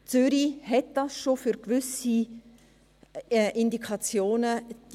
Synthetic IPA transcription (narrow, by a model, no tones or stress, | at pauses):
t͡sʏɾiɦɛt̚d̥ɑsʃofyɾkvʏsi | ʔɪndikʰɑt͡sjoːnəd